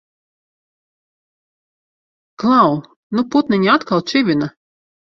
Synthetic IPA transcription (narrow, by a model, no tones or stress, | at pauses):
klˠaw | nuput̪nʲiɲʲiat̪kalˠt͡ʃivʲina